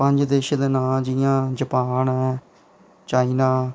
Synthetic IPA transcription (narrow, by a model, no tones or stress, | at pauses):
pəɲd͡ʒd̪eʃd̪ɪnãːd͡ʒɪjãːd͡ʒəpaːnɛː | t͡ʃaːiːnaː